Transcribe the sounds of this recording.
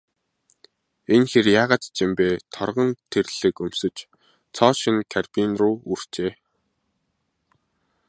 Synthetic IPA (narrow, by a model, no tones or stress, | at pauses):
enxerjaːʁaːt̪t͡ɕɪmpeːt̪ʰɔrʁɞ̆nt̪ʰerɮ̥ɘ̆kɵm̥sɵ̆t͡ɕ | t͡sʰɔːʃə̆nkʰarpinruːur̥t͡ɕeː